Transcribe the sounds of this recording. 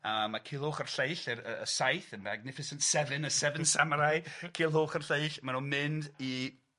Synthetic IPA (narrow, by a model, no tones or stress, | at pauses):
amakʰiːlˠhoːχərɬeɨɬərəəsajθənbɛɡ̚nɪfɪsɪntsɛvɨnəsɛvənsamɾajkʰiːlˠɦoːχərɬeɨɬmanumɪndi